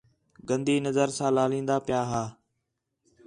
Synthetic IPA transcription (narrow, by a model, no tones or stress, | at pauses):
ɡə̃nd̪iːnəzəɾsãːlaːlĩːnd̪aːpɪjaːɦaː